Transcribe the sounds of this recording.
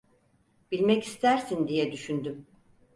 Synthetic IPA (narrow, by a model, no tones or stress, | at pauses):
b̥ilʲmɛcist̪ʰæɾsind̪ijɛd̪yʃynd̪ym